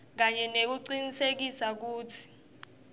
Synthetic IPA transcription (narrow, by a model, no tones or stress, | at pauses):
k̬aɲɛnek̬uǀinisek̬isak̬uːtʰi̥